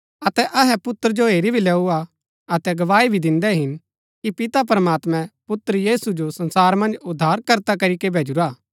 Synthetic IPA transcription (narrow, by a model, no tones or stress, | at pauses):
ɐt̪ɛʔɐɦɛpʊt̪ːəɾəd͡ʒoɦeːɾibʱilɛːua | ɐt̪ɛɡɐʋaːibʱid̪ɪ̃nd̪ɛɦɪn | kipɪt̪ap̬ɐɾəmaːt̪mɛ̃pʊt̪ːɾjiːsud͡ʒosɐ̃nsaːɾmɐ̃nd͡ʒʊd̪ʱːaːɾkɐɾt̪akɐɾikebʱeːd͡ʒuɾaː